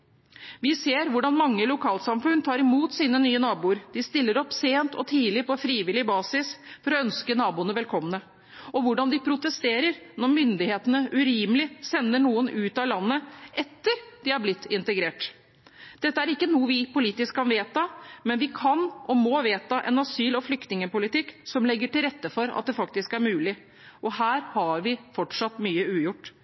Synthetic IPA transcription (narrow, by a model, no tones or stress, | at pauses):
ʋɪseːɾʋʊɖɑnmɑŋːəlʊkʰɑːlsɑmfʉnt̪ʰɑːɾɪmuːt̪siːnənyːənɑːbuːəɾd̪̥ɪst̪ɪlːəɾɔpːseːnt̪ʰɔ̰t̪ʰiːlɪpɔfɾiːʋɪlɪbɑːsɪsfɔɾɔœnskənɑːbuːənəʋɛlkʰɔmːnə | ɔʋʊɖɑnd̪ɪpʰɾʊt̪əst̪eːɾəɾnɔɾmʏnd̪ɪheːt̪ənəʔʉɾiːməlɪsɛnːəɳuːənʉːt̪ɑlɑnːəʔɛt̪ːəɾd̪̥ɪɑɾblɪt̪ːɪnt̪əɡɾeːʈ | d̪̥ɛt̪ːəæɾɪkːənuːəʋɪpʊliːt̪ɪskkʰːɑnʋeːt̪ɑmɛnʋɪkʰɑnʔɔmɔʋeːt̪ɑʔɛ̰nɑsyːlɔflʏkt̪nɪŋəpʊlɪt̪ɪkːsɔmlɛɡːəʈɪlɾɛt̪ːəfɔɾɑ̰t̪̚d̪ɛfɑk̚t̪ɪskæɾmʉːlɪ | ʔɔhæːɾhɑɾʋɪfɔʈʂɑt̪ːmyːəʉːjʊʈː